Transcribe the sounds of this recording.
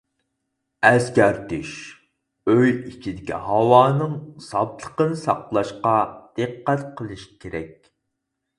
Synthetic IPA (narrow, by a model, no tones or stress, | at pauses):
ɛskʲæɾt̪yʃ | øjit͡ʃʰid̪ɪkʲḭhɑwɑːnɨŋsɑblˠəqənɨsɑ̰qlˠɑʃqɑd̪̥ɨqːæt̪qʰəlˠɨʃi̥kʲʰeɾɛ̰k̚ʲ